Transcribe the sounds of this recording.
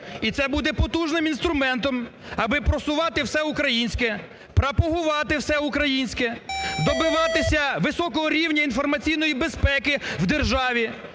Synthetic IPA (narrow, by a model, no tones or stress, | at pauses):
it̪sɛbud̪ɛpɔt̪uʒnɪmin̪st̪ɾʊmɛnt̪ɔmɐbɪpɾɔsʊʋɑt̪ɪwsɛʊkɾɐjinʲsʲkɛ | pɾɐpɔɦʊʋɑt̪ɪwsɛukɾɐjinʲsʲkɛd̪ɔbɪʋɑt̪ɪsʲɐʋɪsɔkɔɦɔɾʲiwnʲɐinfɔrmɐt͡sʲijnɔjibespɛkɪwd̪erʒɑʋʲi